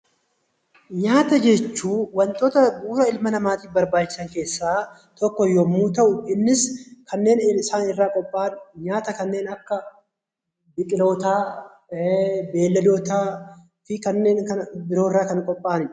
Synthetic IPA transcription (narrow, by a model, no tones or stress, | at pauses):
ɲaːt̪ɐd͡ʒɛt͡ʃːuːwɐnt̪ʼoːt̪ɐbuːɾɐɪlmɐnɐmaːt̪iːfbɐɾbaːt͡ʃːɪ̥sɐŋke̞ːsːaː | t̪ɔkːɔjɔmːuːt̪ɐʔʊɪnːɪskʰɐnːe̞ːnɪɪsaːnɪrːaːkʼɔpʼːaːnɲaːt̪ɐkɐnːe̞ːnɐkːɐ | bɪt̪ʼɪlo̞ːt̪aː | be̞ːlːɐd̪oːt̪aː | fɪkɐnːe̞ːŋkɐnbɪɾo̞ːɪrːaːkɐnkʼɔpʼːaːnɪ